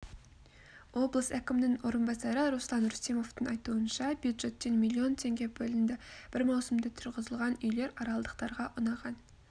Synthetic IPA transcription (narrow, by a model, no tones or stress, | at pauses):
wo̞blˠəsækʲɪmɪnɪŋwo̞ɾənbɑsɑɾəɾuslˠɑnɾust̪emo̞ft̪əŋɑjt̪uənʃɑbjud̪ʒe̞t̪ːe̞nmilʲːio̞nt̪ʰe̞ŋɡʲe̞bɵlɪnd̪ɪb̥ɪɾmɑwsəmd̪ət̪ʰʊɾʁəzəlˠʁɑnʏjle̞ɾɑɾɑlˠəd̪əq̚t̪ɑɾʁɑʔʊnɑʁɑn